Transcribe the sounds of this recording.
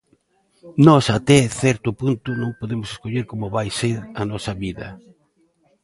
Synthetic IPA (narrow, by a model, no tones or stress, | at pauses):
nɔsat̪ɛθɛɾt̪ʊpunt̪ʊnõŋpoðemʊse̥skoʎeɾkomʊβajseɾɐnɔsɐβiðɐ̰